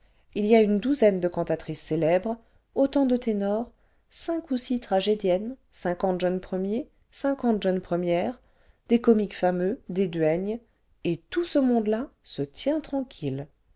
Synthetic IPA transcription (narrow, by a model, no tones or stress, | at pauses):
iliaynd̪uzɛnd̪əkɑ̃t̪at̪χisːelɛbʁ | ot̪ɑ̃d̪ət̪enɔʁ | sɛ̃kusit̪χaʒed̪jɛnsɛ̃kɑ̃t̪ʒœnpχəmje | sɛ̃kɑ̃t̪ʒœnpχəmjɛʁ | d̪̥ekɔmikfamød̪ed̪ɥɛɲ | et̪usəmɔ̃d̪lasət̪jɛ̃t̪χɑ̃kʲʰil